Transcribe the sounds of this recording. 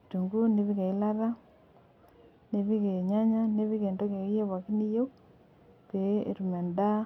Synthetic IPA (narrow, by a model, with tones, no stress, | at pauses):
tu˨ŋɡu˦ne˦βi˦ke˨i˦la˦ɾa˦ | ne˦βi˦ke˨ɲa˦ɲa˦ne˦βi˦ke˨ndo˦ke˨ɣi˦je˦βa˨ki˦ni˦jo˦k̚ | pe˨˦ḛ˨ɾu˨me˨nda˦